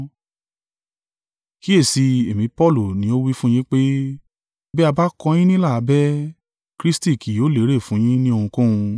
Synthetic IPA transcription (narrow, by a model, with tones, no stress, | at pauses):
ki˦e˦˨si˧e˨mĩ˧˦pɔ˦˨lu˨nĩ˨˦o˦wi˦fũ˦j̃ĩ˦k͡pe˦ | bɛ˦a˧ba˦kɔ̃˧j̃ĩ˦nĩ˦la˦˨a˧bɛ˦ | kɾi˦sti˦˨ki˨joː˨˦le˨˦ɾe˦˨fũ˨˦j̃ĩ˦nĩ˦o˧hũ˧kũ˦ũ˧